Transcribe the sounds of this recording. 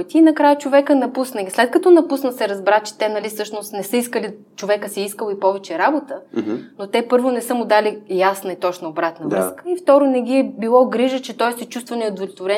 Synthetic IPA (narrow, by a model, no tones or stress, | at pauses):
t̪ʲiːnɐkɾajət͡ʃovɛkənɐpusnəɡʲislɛt̪̚kɐt̪ɔnɐpusnəsɛɾɐzbɾat͡ʃɛ̥t̪ɛnɐlifsɤʃnost̪nɛsɤiskəli | t͡ʃovɛkəsɛiskəlˠoipɔvɛt͡ʃɛɾabot̪ənot̪ɛpɤɾvonɛsɤmʊd̪alijasnɐit̪ɔt͡ʃnɐobɾat̪nəvɾɤskəift̪ɔɾonɛɡʲiɛbilˠɔɡɾiʒət͡ʃɛt̪ɔjsɛt͡ʃust̪vɐnɛod̪volʲot̪voɾɛ